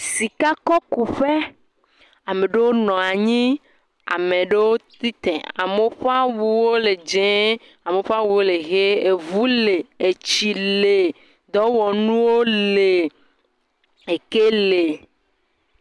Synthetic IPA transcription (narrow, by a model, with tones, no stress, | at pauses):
si˨ka˦kɔ˦ku˨ɸe˦ | a˨mẽ˨ɖe˦wo˦nɔ̃˨a˨ɲĩ˦ | a̰˨mẽ˨ɖe˦wo˦t̪i˦t̪ɛ̰̃˨a̰˨me˦ɸa˦wu˦wo˦le˨d͡ʒɛ̃˦ | a˨me˨ɸa˦wu˦wo˦le˨ɣe˦e˨vu˦le˨e˨t͡ɕi˨le˨ | d̪ɔ˦wɔ˨nũ˦wo˦le˨ | e˨ke˦le˨